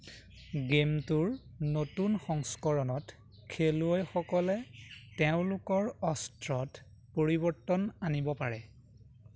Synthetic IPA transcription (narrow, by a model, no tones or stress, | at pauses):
ɡemtʊɹ | notunxɔŋskɔɹɔnɔt | kʰeluojxɔkɔlɛtɛʊ̃lʊkɔɹɔstɹɔt | poɹibɔɹtɔnanibɔpaɹɛ